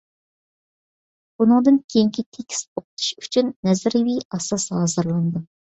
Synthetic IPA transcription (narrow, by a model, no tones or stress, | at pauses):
b̥unɨŋd̪ɨnkʲʰejiŋkʲʰit̪ʰekʲʰi̥soqʰʊ̥t̪ʰu̥ʃy̥t͡ʃʰynːɛzɪɾviɑsɑshɑːzɨɾlˠɑnɨd̪u